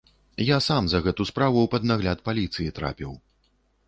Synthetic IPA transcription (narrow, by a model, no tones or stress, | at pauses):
jasamzɐɣɛt̪uspɾavuwpɐd̪naɣlʲat̪palʲit̪sɨjit̪ɾa̰pʲiw